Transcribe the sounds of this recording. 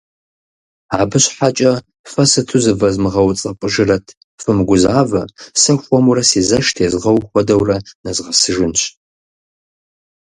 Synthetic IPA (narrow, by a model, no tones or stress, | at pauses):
aːbɨɕħat͡ʃʼɐ | fɐsɨtʰuzɨvɐzmɨʁɐwt͡sʼɐpʷʼəʒɪrɐtʰ | fɨmɡʷʊzaːvɐsɐxʷɔmuɾɐsiːzɐʃtʰeːzʁɐwxʷɔdɐwrɐnɐzʁɐsɨʒɪnɕ